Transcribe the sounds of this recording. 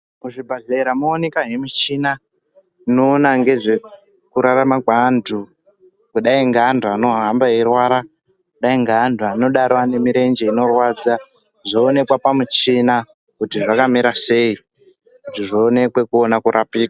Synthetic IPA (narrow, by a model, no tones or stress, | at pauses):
kuʐibʱaɮeiɾamoːnekaɦemit͡ʃina | inoːnaŋɡe̞ʐe̞ | kuɾaramaɡʱandʱu | kuɗaiŋɡandʱuano̞ɦambajerwaɾa | kuɗaiŋɡandʱuano̞ɗaɾwane̞miɾe̞nd͡ʒe̞ino̞rwad͡za | ʐoːne̞kwapamut͡ʃina | kutiʐakamiɾase̞i | kutiʐoːne̞kwe̞kuonakuɾʔapiːkwa